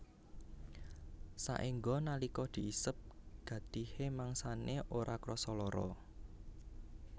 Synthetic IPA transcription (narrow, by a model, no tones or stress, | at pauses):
sa̰ʔiŋɡɔnalikɔd̪̥i̤isəp̚ɡ̥ä̤t̪ihemaŋsaneʔoɾʔakɾɔsɔlɔɾɔ̰